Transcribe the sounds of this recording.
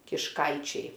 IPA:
kʲɪʃˈkɐɪt͡ʃʲɛɪ

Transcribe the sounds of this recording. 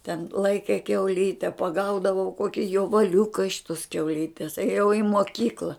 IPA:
tʲɛn ˈlˠɐɪkʲɛ kʲɛʊˈlʲiːtʲɛ pɐˈɡɐʊdɐʋɐʊ ˈkoːkʲɪ joːʋɐˈlʲʊkɐ ɪʃ toːs kʲɛʊˈlʲiːtʲɛs eːˈjɛʊ ɪ moːˈkʲiːklˠɐ

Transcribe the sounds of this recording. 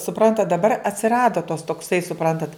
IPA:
sʊˈprɐntɐt dɐˈbɐr ɐtʲsʲɪˈrɑːdoː toːs toːkˈsɐɪ sʊˈprɐntɐt

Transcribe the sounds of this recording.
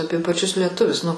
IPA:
ˈɑːpʲiɛ pɐˈt͡ʃʲʊs lʲiɛˈtʊʋʲʊs nʊ

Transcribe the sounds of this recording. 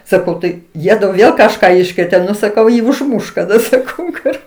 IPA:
sɐˈkɐʊ ˈtɐɪ ˈjiɛdʊ ˈʋʲeːlˠ kɐʃˈkɑː ˈɪʃkrʲeːtʲeː ˈnʊ sɐˈkɐʊ ˈjiː ʊʒˈmʊʃ kɐˈdɐ sɐˈkɐʊ kʊr

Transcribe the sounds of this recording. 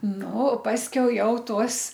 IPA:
ˈnʊ ˈpɑːsʲkʲɛʊ ˈjɛʊ ˈtuɔs

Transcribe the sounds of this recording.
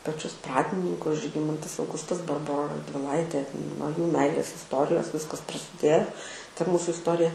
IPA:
pɐˈt͡ʃʲʊs ˈprɑːdʲɪnʲɪŋkʊs ʒʲɪˈɡʲɪmɐntɐs ɐʊˈɡʊstɐs bɐrˈboːrɐ rɐdʲʋʲɪˈlˠɐɪtʲeː nuɔ juː ˈmʲɛɪlʲeːs ɪsˈtoːrʲɪjoːs ˈʋʲɪskɐs prɐsʲɪˈdʲeːjoː tɐ ˈmuːsʊ ɪsˈtoːrʲɪjɛ

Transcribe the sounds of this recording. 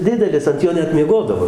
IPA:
ˈdʲɪdʲɛlʲɪs ɐnt ˈjoː ˈnʲɛt mʲiɛˈɡoːdɐʋoː

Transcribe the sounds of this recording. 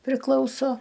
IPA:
pʲrʲɪˈklˠɐʊsoː

